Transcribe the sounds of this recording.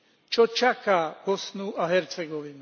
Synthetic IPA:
t͡ʃʰɔt͡ʃʰakʰakɔsnuʔɑɦɛɾt͡sʰɛɡɔlin

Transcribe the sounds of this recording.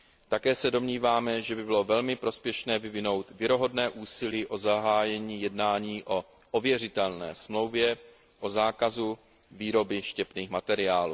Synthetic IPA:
t̪akɛːsɛdo̞mɲiːvaːmɛʒɛbɪbɪlo̞vɛlmɪpɾo̞spjɛʃnɛːvɪvɪno̞wt̪vjɪɾo̞ɦo̞dnɛːʔuːsɪliːʔo̞zaɦaːjɛɲiːjɛdnaːɲiːʔo̞ | ʔovjɛr̝ɪt̪ɛlnɛ̰ːsmlo̞wvjɛ | ʔo̞zaːkazu | viːɾo̞bɪʃcɛpniːxmat̪ɛɾɪaːluː

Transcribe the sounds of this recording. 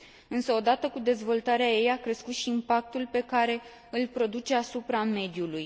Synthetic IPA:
ɨnsəo̞d̪at̪əkud̪e̞zvo̞lt̪aɾeaje̞jakɾe̞skut̪ʃiːmpak̚t̪ulpe̞kaɾe̞ | ɨlpɾo̞d̪ut͡ʃe̞asupɾame̞d̪juluj

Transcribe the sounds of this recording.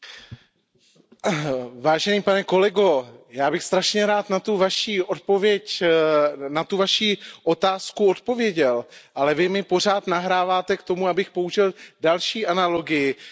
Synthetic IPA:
vaːʒɛniːpanɛko̞lɛɡo̞jaːbɪxst̪ɾaʃɲɛɾaːt̪nat̪uvaʃiːʔo̞t̪̚po̞vjɛc | nat̪uvaʃiːʔo̞t̪aːskuo̞t̪po̞vjɛɟɛlʔalɛvɪmɪpo̞r̝aːt̪naɦɾaːvaːt̪ɛkt̪omuabɪxpo̞uʒɪldalʃiːʔanalo̞ɡɪjɪ

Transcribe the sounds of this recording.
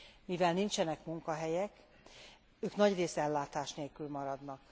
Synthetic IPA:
mivɛlnint͡ʃɛnɛkmuŋkɒɦɛjɛk | øːknɒɟreːsɛlːaːt̪aːʃneːlkylmɒɾɒd̪nɒk

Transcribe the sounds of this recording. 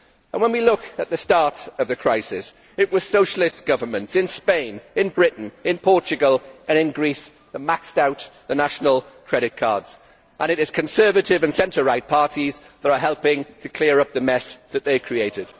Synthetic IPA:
ə̃nwə̃nwilʊkət̪̚ðəstɑɹtəvðɨkʰɹ̥aɪsɪs | ɪʔ̚wʌz̥soʊʃəlɪstɡ̥ʌvəmə̃ntsɪ̃nspẽɪ̃nɪ̃nbɹɪʔn̩ɪ̃npʰɔˑt͡ʃɨɡəlˠʔə̃ñɪ̃nɡɹis | ðəmakstaʊtðənaʃənəlˠkʰɹ̥ɛɾɪt̚kʰɑ̰ːdz̥ | ʔə̃ñɪɾɪz̥kʰə̃nsɜːvətɪvə̃nsɛ̃ntəɹaɪt̚pʰɑɹtizðəɾəɦɛlˠpɪ̃ŋtʰəkʰl̥ɪəɹʌp̚ðəmɛsðət̪̚ðeɪkʰɹ̥ieɪtɪd̥

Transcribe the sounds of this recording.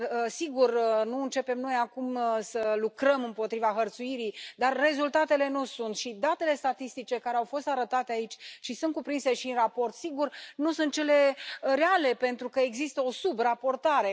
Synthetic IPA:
əsiɡurnuɨnt͡ʃe̞pe̞mno̞jakumsəlukɾəmɨmpo̞t̪ɾivaɦərt̪suiɾijd̪arːe̞zult̪at̪e̞le̞nusunt̪ʃid̪at̪e̞le̞st̪at̪ist̪it͡ʃe̞kaɾeawfo̞st̪aɾət̪at̪e̞ait͡ʃʲʃisunt̪kupɾinse̞ʃinrapo̞rt̪siɡurnusunt̪̚t͡ʃe̞le̞ɾeale̞pe̞nt̪ɾukəeɡzist̪əo̞subrapo̞rt̪aɾe̞

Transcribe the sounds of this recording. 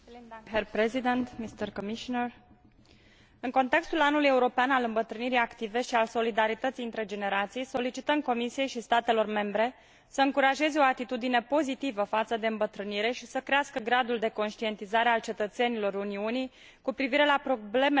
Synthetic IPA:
erpɾezid̪ent̪mist̪ərkomiʃonər | ɨŋko̞nt̪e̞kst̪ulanːuluje̞uɾo̞peanalɨmbət̪ɾɨniɾijakt̪ive̞ʃialso̞lid̪aɾit̪ət̪siɨnt̪ɾe̞d͡ʒe̞ne̞ɾat̪sijso̞lit͡ʃit̪əmko̞misije̞jʃist̪at̪e̞lo̞rme̞mbɾe̞ | səɨŋkuɾaʒe̞zeo̞at̪it̪ud̪ine̞po̞zit̪ivəfat̪səd̪e̞ɨmbət̪ɾɨniɾe̞ʃisəkɾeaskəɡɾad̪uld̪e̞ko̞nʃt̪ie̞nt̪izaɾe̞alt͡ʃe̞t̪ət̪se̞nilo̞ɾuniunij | kupɾiviɾe̞lapɾo̞ble̞me

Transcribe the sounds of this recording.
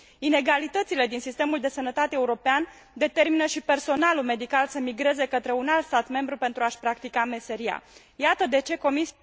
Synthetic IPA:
ine̞ɡalit̪ət̪sile̞d̪insist̪e̞muld̪e̞sənət̪at̪eeːuɾo̞pean | d̪e̞t̪e̞rminəʃipe̞rso̞nalume̞d̪ikalsəmiɡɾe̞ze̞kət̪ɾe̞unalt̪st̪at̪me̞mbɾupe̞nt̪ɾuaʃpɾakt̪ikame̞se̞ɾia̰ | jat̪əd̪e̞t͡ʃe̞ko̞mis

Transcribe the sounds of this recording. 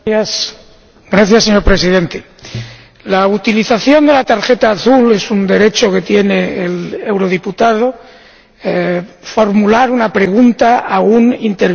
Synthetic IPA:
s | ɡɾaθjasːeɲo̞ɾpɾe̞siðe̞nt̪e | laut̪iliθaθjo̞nd̪e̞lat̪aɾxe̞t̪aːθule̞sund̪e̞ɾe̞t͡ʃo̞ke̞t̪je̞ne̞ːle̞wɾo̞ð̞iput̪að̞o̞ | fo̞ɾmulaɾunapɾe̞ɣ̞unt̪aʔaɣunint̪eɾ

